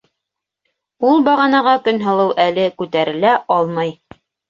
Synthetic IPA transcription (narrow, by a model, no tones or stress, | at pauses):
ulˠbɑʁɑnɑʁɑkɵnɦɤ̆lˠɤwʔælɘkʉt̪æɾɘ̆læʔɑlˠmɑj